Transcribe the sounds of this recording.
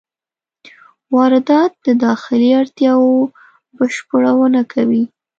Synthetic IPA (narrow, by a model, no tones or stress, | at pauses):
wɑɾɪd̪ɑt̪̚d̪əd̪ɑxɪliaɾt̪jɑwo | bəʃpəɽawənakʰawi